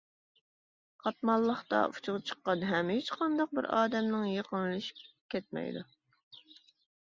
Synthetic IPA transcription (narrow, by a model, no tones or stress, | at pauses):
qʰɑt̪mɑlˠːəχt̪ɑ̰ʔut͡ʃʰʊʁɑt͡ʃʰə̥qːɑnɦɛmet͡ʃqʰɑnd̪ɑq̚bɪɾɑːd̪ɛmnɪŋjeqʰənɨlˠɨʃi̥p | kʲʰɛt̪̚mɛ̰jd̪u